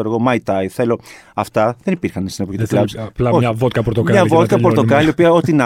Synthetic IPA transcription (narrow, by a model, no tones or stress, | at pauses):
oɾoɣomɐjt̪ɐjθe̞lo̞ɐft̪ɐðe̞nipiɾxɐnst̪inepoçit̪plɐplɐoçɐvot̪kɐpoɾt̪okɲɐvo̞t̪kɐpoɾt̪okɐliopiɐo̞t̪inɐ